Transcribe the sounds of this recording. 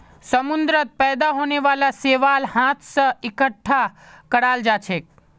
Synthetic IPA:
səmʊnd̪ɾət̪̚pɛːd̪aɦoːneʋalaseːʋalhãt̪ʰsəɪkəʈʰːa | kəɽald͡ʒat͡ʃʰek̚

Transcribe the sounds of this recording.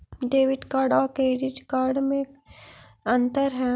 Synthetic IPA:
ɖeːʋɪʈkaːɖakeɖɪʈkaːɾɖmẽ | ə̃nt̪əɾɦɛː

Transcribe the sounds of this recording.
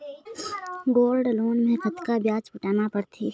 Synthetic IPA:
ɡoːlɖloːnmẽkɐt̪kabjaːt͡ʃpɪʈaːnapəɽt̪ʰḭː

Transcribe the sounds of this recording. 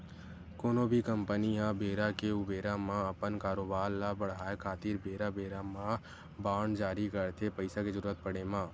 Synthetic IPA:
koːnõbʱikə̃mpəniãbeːɾakeʊbeːɾamãɐpənkaːɾoːbaːɾlabəɽ̤aːekʰaːt̪iːɾbeːɾabeːɾamã | baːɳd͡ʒaːɾikəɾt̪ʰepəɪsaked͡ʒəɾuːɾət̪̚pəɽ̤emãː

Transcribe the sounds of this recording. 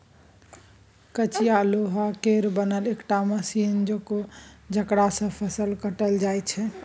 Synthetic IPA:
kət͡ʃijaloɦakeɾbənəlekʈaməsind͡ʒokod͡ʒʱəkɽasə̃pʰəsəlkəʈəld͡ʒajt͡ʃʰɛ

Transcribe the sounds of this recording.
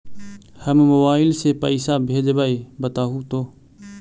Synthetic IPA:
həmːʊʋaːɪlseːpə̰iːsaːbʱeːd͡ʒbaːiːbət̪aːɦũːt̪oː

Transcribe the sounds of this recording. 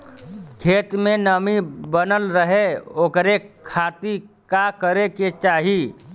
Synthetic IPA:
kʰeːt̪mẽnəmibənəlɾəɦeoːkɾekʰaːt̪ikakəɾeket͡ʃaːɦi

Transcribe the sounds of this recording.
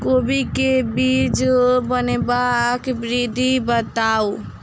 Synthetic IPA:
kobikebiːd͡ʒbənebakbɾid̪ʱibət̪ao

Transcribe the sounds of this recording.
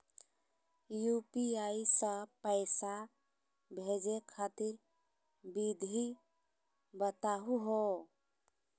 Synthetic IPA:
jupiaisə̃pəɪsa | bʱed͡ʒekʰat̪iɾ | bid̪ʱi | bət̪aɦuɦo

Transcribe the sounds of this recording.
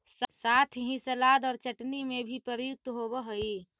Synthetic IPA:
ssaːt̪ʰɦĩsəlaːd̪ɔːɾt͡ʃəʈnimẽbʱipəɾəjʊk̚t̪ɦobəɦəi

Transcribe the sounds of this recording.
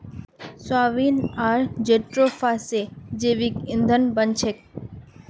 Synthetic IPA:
swaːʋiːnaɾd͡ʒeʈɾofʰased͡ʒeʋikɪnd̪ʱənbənt͡ʃʰek

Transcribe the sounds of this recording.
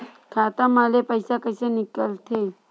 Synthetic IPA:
kʰat̪amalepəjsakəsenikəlt̪ʰe

